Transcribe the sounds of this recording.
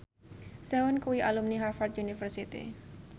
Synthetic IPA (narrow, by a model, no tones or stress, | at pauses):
sɛʊnkuwiʔalumniɦarfat̪̚ʔunifərsit̪ḭ